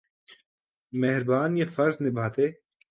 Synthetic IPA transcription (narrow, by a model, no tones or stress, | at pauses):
mɛɦɾbaːnjefɐɾznɪbʱaːt̪eː